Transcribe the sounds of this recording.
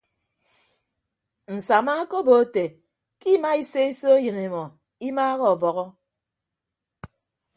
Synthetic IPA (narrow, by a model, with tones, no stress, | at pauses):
n̩˨sa˨ma˦ko˦bo˨˦te˨ | ki˦ma˦i˦se˦i˦so˦jɨ˨ne˨mɔ˨ | i˦maː˦ɣɔ˨vɔ˨ɣɔ˦